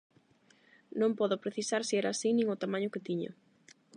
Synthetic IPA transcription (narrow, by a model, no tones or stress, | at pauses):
nõmpɔðʊpɾeθisaɾsiɛɾaːsinĩŋʊt̪amãɲʊkɪt̪iɲo̰